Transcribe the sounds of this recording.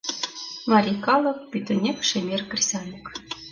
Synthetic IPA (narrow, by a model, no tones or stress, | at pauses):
mɑɾʲikɑlˠɤ̆k̚pʲyt̪ɘ̆nʲekʃemʲerkɘ̆rʲsʲɑnɤk